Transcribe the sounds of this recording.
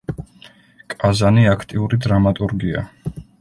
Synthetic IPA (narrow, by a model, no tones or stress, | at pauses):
kʼazaniakʰt̪ʼiuɾid̪ɾamat̪ʼuɾɡia̰